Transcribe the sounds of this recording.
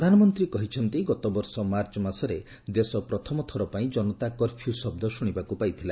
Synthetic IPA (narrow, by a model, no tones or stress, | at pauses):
d̪ʱanɔmɔnt̪ɾikɔɦit͡ʃʰɔnt̪iɡɔt̪ɔbɔɾsɔmaɾt͡ʃɔmasɔɾe | d̪esɔpɾɔt̪ʰɔmɔt̪ʰɔɾɔpaĩd͡ʒɔnɔt̪akɔɾpʰiusɔb̚d̪ɔsuɽ̃ibakupajt̪ʰila